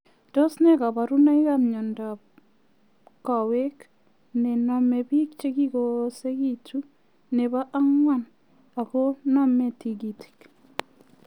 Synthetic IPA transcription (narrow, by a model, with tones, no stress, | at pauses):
do˦sne˦ka˨ba˨ɾu˦na˦i˦kamɲɔ˨nda˨ | ka˨we˦k | ne˨nɔ˨mɛ˨bi˦k̚t͡ʃe˦ki˦ɡose˦kitu˦ | ne˨ba˦ʔa˦ŋwa˦˨n | a˨ko˦na˦me˨ti˨ɡi˨ti̥k